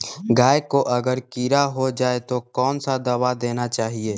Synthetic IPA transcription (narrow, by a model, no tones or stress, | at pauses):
ɡaːjkoʔɐɡəɾkiːɾaɦod͡ʒaːet̪okɔːnsad̪ɐwad̪eːnat͡ʃaːɦieː